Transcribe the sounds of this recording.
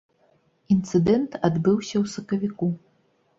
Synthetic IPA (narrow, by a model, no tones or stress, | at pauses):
int̪sɨd̪ɛnt̪ad̪bɨwsʲɐwsɐkɐvʲiku